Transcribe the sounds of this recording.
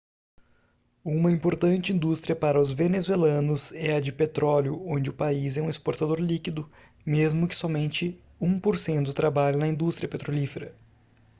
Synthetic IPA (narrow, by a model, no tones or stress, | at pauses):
ũmɐĩpoɾt̪ɐ̃nt͡ʃɪĩnd̪ust̪ɾiɐpaɾɐʊzvenezuelɐ̃nʊzɛɐd͡ʒɪpet̪ɾɔljʊõnd͡ʒɪʊpaizɛũespoɾt̪ad̪oɾlikid̪ʊ | mezmʊkɪ̥sɔmẽnt͡ʃɪ | ũpoɾsẽnt̪ʊt̪ɾabaʎɐnɐĩnd̪ust̪ɾiɐpet̪ɾolifeɾɐ